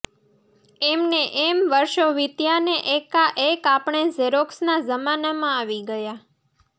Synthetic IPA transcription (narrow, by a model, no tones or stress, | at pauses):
emneʔemʋəɾʃoʋit̪janeʔekaʔekapɳ̃ezeɾoksnazəmanamãaʋiɡəja